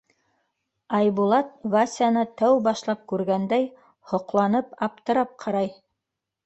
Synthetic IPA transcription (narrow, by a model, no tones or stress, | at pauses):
ɑjbulˠɑt̪̚vasʲanɤt̪æwbɑʃlˠɑp̚kʉɾɡænd̪æj | hŏqlˠɑnɤpɑp̚t̪ɤ̆ɾɑp̚qʰɑɾɑj